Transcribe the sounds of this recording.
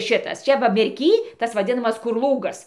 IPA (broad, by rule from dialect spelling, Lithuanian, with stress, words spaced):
ˈʃʲɪtɐs ˈt͡ʃʲɛ ʋɐ mʲɛrʲˈkʲiː ˈtɐs ʋɐˈdʲɪnɐmɐs kʊr ˈlˠuːɡɐs